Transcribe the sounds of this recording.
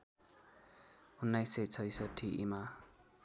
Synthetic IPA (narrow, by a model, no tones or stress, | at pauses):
hunːajsʌjt͡sʰʌjsʌtʰːiʔḭma